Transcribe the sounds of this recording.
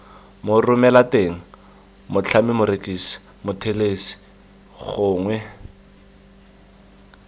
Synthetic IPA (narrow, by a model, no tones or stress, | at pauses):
mʊrʊmɛlateŋ̩ | mʊt͡ɬʰamɪmʊɾekʼisi̥ | mʊtʰelesi̥ | ɣʊːŋwɛ